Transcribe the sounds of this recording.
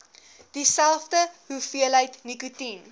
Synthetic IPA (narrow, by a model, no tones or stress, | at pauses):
d̥isælˠfdəɦufiəlɦəjtnikutin